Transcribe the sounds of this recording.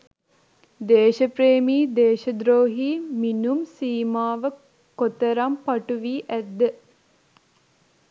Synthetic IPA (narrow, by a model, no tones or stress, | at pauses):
d̪eːʃəpɾeːmiːd̪eːʃəd̪ɾoːɦiːminumsiːmaːʋə | kot̪əɾampaʈuʋiːʔæd̪ːə